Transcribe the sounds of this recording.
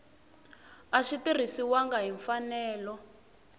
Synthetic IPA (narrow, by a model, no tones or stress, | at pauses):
aʂitir̤isiwaŋɡaɦiɱfanɛːlɔ